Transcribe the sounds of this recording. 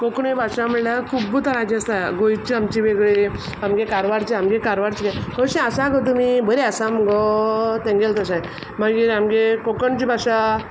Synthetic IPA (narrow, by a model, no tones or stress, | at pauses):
kokɳebʱaʂaməlakʰubːut̪aɾãd͡ʑiast̪aɡojt͡ɕiamt͡ɕiʋeɡɭe | amɡekaɾʋaɾt͡ɕiamɡekaɾʋaɾt͡ɕikajkʰəɕẽasaɡət̪̬umibəɾeasamɡɔt̪ẽŋɡelt̪əsaj | maɡiːɾamɡekokəɳt͡ɕibʱaʂa